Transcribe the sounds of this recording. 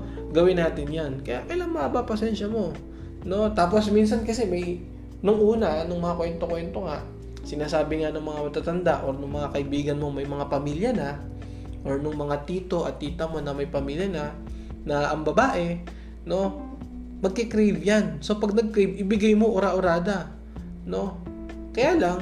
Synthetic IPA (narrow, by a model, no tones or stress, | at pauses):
ɡɐwɪnːaːt̪ɪnjankɐja̰ʔʔɐlaŋmɐŋabapɐsɛnʃɐmo̞ | no̞t̪aːpo̞smins̬ɐnkɐsɛmɐj | nʊŋʔuːnɐnʊŋmɐŋakwɛnt̪o̞kwɛnt̪o̞ŋaʔ | sɪnaːsaːbɪŋanʊŋmɐŋamɐt̪at̪ɐnd̪aʔo̞ɾnʊŋmɐŋakɐʔɪbiːɡɐnmo̞ŋmɐjmɐŋapɐmiːljɐnɐ | ʔo̞ɹnʊŋmɐŋat̪iːt̪o̞ʔɐt̪ːiːt̪ɐmo̞nɐmɐjpɐmiːljɐna | nɐʔɐŋbɐbaːʔɛ | no̞ | mɐɡ̚kɪkɾejbjanso̞pɐɡ̚nɐɡ̚kɾejbʔɪbɪɡajmo̞ʔoɾaʔʊɾaːd̪ɐ | no̞ | kɐjaːlaŋ